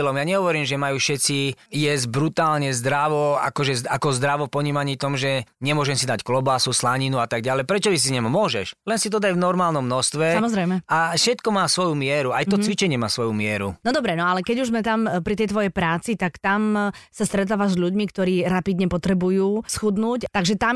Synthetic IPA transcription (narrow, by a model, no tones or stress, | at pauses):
lɔmjaːɲɛɦɔʋɔɾiːmʒɛmajuʃɛt͡sijɛzɟ̚bɾut̪aːlɲɛzd̪ɾaʋɔa̰kɔʒɛakɔzd̪ɾaʋɔpɔɲiːmaɲiːt̪ɔmʒɛɲɛmʊɔʒɛmsid̪acklɔbasuslaɲinuat̪aɡ̚ɟalɛjpɾɛt͡ʃɔʋis̬iɲɛmmʊɔʒɛ̰ʃlɛnsit̪ɔd̪aɟvnɔɾmaːlnɔmːnɔst̪ʋɛsaamɔzɾɛjmɛaʃɛt̪kɔmaːsʋɔjumɪɛɾuaj̪ɔt͡sʋit͡ʃɛɲɪɛmaːsʋɔjumɪɛɾṵnɔd̪ɔbɾɛnɔalɛkɛɟuʒzmɛt̪ampɾit̪ɛjt̪ʋɔjɛjpɾaːt͡sit̪akt̪amsast̪ɾɛt̪̬aːʋazʎuɟmikt̪ɔɾiːɾapid̪ɲɛpɔt̪ɾɛbujuːsxud̪nuːct̪aɡʒɛt̪am